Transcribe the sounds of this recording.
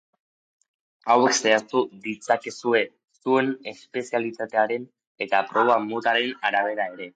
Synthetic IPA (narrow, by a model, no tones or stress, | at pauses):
awe̞kse̞aɾt̪uðit͡sake̞sue̞ | sue̞ne̞spe̞sialit̪at̪e̞aɾe̞n | e̞t̪apɾo̞βamot̪aɾe̞naɾaβ̞e̞ɾae̞ɾe̞